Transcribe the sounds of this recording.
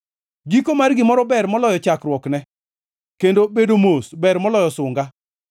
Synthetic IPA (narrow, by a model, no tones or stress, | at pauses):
ɡikomarɡɪmɔɾɔbɛrmɔlɔjɔt͡ʃakɾwɔknɛ | kendobedomosbɛrmɔlɔjɔsʊŋɡa